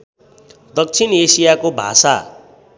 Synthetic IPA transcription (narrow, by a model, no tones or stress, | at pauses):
d̪ʌk̚t͡sʰinesijakobʱa̰sa̰